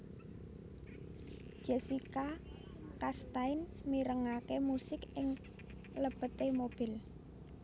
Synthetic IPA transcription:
d͡ʒ̥ɛsika | kast̪aɪnmiɾəŋakemusɪkɪŋ | ləb̥ət̪emob̥ɪ̤l

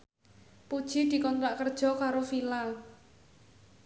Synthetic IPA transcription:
pud̥ʒ̥id̪̥i̤kɔnt̪ɾaʔkərd̥ʒ̥ɔ̤kaɾofilal

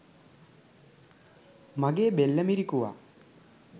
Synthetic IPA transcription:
maɡeːbelːəmiɾikuʋa̰

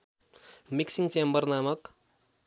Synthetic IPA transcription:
miksiŋt͡sembʌrnamʌk

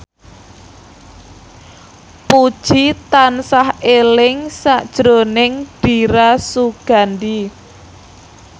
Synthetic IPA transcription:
pud̥ʒ̥it̪ansahelɪŋsaʔd̥ʒ̥ɾonɪŋɖ̥iɾasuɡ̥a̤nd̪i

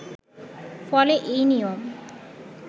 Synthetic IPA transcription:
fɔleʔejnijom

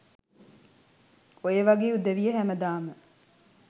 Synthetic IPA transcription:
ojeʋɐɡeːud̪eʋijeɦæmɐd̪aːmə

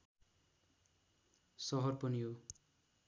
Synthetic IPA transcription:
sɔɦɔrpɔnijo

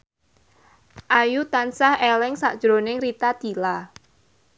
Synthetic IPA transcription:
ʔajut̪ansahɛlɛŋsa̰ʔd̥ʒ̥ɾonɪŋrit̪ad̪̥i̤la

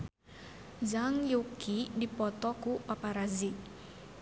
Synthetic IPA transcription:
zaŋjukidipɔt̪ɔkupapaɾazi

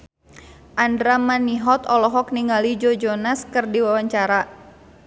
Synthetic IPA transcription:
ʔandɾamaniɦɔt̪ɔlɔɦɔk̚niŋalid͡ʒɔd͡ʒɔnaskɨrdiwawaɲt͡ʃaɾa

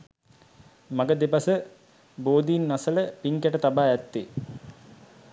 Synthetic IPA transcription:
mɐɡəd̪epɐsə | boːd̪ijːnːasələpiŋkaʈət̪abaːæt̪ːe

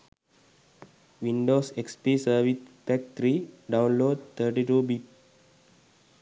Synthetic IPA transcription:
ʋĩnɖosekspisəʋit̪̚pɛk̚t̪ɾiɖãw̃nloːɖ̚t̪ʰəʈiʈubit̚

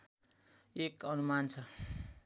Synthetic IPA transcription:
ekʌnumant͡sʰʌ

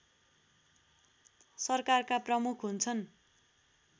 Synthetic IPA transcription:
sʌrkarkaprʌmukʰɦunt͡sʰʌn

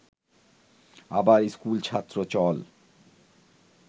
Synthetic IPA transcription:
abaɾiskult͡ɕʰat̪ːɾot͡ɕɔl

